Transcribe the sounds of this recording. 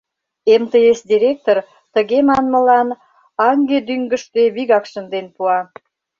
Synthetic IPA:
emt̪əesd̪ʲiɾʲek̚t̪or | t̪əɣemɑnmə̆lɑn | ɑŋɡed̪yŋɡə̆ʃt̪eβiɣɑkʃənd̪enpuɑ

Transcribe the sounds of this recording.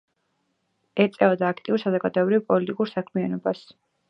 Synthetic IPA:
ɛɾt̪sʼɛɔd̪aːkʰt̪ʼiuɾsazɔɡad̪ɔɛbɾivpʼɔlit̪ʼikʼuɾsakʰmianɔbas

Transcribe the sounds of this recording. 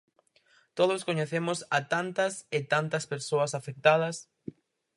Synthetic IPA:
t̪oð̞ʊskoɲeθemʊsɐt̪ant̪ɐsɪt̪ant̪ɐspeɾsoɐsafek̚t̪að̞ɐs

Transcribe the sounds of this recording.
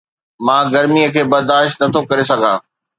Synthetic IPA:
mãːɡɐɾmiəkʰeːbɐɾd̪aːʃt̪nɐt̪ʰokɐɾes̬ɐɡʱaː

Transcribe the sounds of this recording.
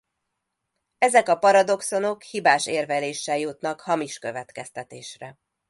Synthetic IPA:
ɛzɛkɒpɒɾɒd̪o̞kso̞no̞khibaːʃeːrvɛleːʃːɛljut̪nɒkhɒmiʃkøvɛt̪kɛst̪ɛt̪eːʃrɛ

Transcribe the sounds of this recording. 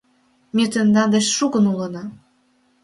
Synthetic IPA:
mʲet̪ĕnd̪ɑnd̪eʃʃuɣə̆nulɤ̆nɑ

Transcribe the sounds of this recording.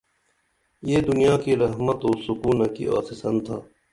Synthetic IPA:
jeːd̪ʊnijaːkiɾɐɦmət̪oːsʊkuːnɐkḭʔa̰ːsɪsənt̪ʰaː

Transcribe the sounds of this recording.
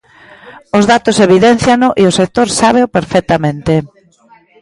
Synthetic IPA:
ʊzðat̪ʊseβiðɛn̟θjanʊʔiosek̚t̪oɾsaβ̞eʊpeɾfɛk̚t̪amẽnt̪e

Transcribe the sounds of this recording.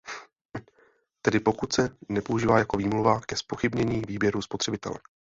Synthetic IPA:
t̪ɛdɪpo̞kut̪sɛnɛpo̞uʒiːvaːjako̞viːmluvakɛspo̞xɪbɲɛɲiːviːbjɛɾuspo̞t̪r̥ɛbɪt̪ɛ̰lɛ̰

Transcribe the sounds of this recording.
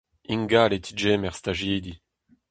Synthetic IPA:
iŋɡalet̪ʰid͡ʒeːmɛʁst̪aʒiːd̪i

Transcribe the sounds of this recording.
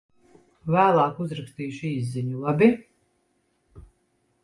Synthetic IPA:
væːlˠaːkuzɾakst̪iːʃiːzːiɲulˠabʲi

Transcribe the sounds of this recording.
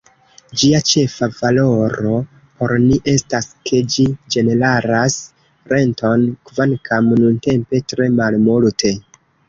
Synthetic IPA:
d͡ʒiat͡ʃe̞favalo̞ɾo̞ | po̞ɾniʔe̞staskʰe̞d͡ʒid͡ʒe̞ne̞laɾas | ɾe̞nto̞nkvankamnunte̞mpe̞tɾe̞malmultʰe

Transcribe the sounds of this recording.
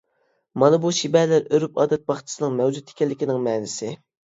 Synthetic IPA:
mɑnɨbuʃibɛlæɾøɾypɑ̰ːd̪ɛt̪̚bɑχtt͡ʃʰɪ̥sɨnɨŋmɛwd͡ʒut̪ʰːe̥kʲɛlːɪkʲinɪŋmɛːnɪsɪ

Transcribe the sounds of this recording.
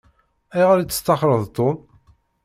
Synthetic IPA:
æjʁəɾit͡sːə̥st̪ɑχɾˤəðˤt̪ˤːon

